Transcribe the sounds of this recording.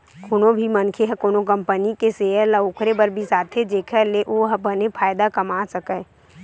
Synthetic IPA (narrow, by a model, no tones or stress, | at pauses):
kʰʊnõbʱimənkʰeɦəkonokə̃mpənikeseːələoːkʰɾebəɾbʱisaːt̪ʰed͡ʒeːkʰəleʔoːɦəbənepʰaːjd̪akɐmaːsəkə